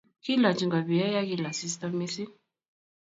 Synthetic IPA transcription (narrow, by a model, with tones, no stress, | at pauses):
ki˦la˨t͡ʃi˧ŋɡa˨βi˨a˦ja˦ki˦la˨si˧st̪a˧mi˦si˦